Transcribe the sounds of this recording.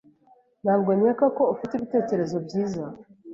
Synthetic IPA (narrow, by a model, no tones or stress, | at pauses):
n̥haːbɡe̞ːmɲekako̞ufitiβite̞ːce̞ɾe̞zo̞bɟiːza